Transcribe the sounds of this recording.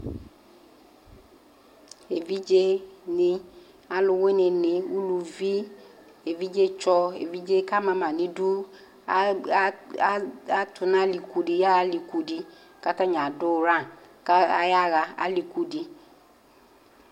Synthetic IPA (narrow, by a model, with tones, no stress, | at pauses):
e˨vi˦d͡ʒe˦nɪ˨ | a˨lʊ˧we˦nɪ˧nɪ˨u˦lu˧vi˦ | e˨vi˦d͡ʒe˦t͡ʃɔ˦ḛ˨vi˦d͡ʒe˦ka˦mã˨mã˨nɪ̃˦du˦ | a˦tʰʊ˨nã˦li˨ku˨di˨ja˦a˦li˨ku˨di˧ | ka˦ta˦ɲã˨dʊ˦˨ɾã˦˨ | ka˦a̰˦ja˦ɣa˧a̰˦li˨ku˨di˨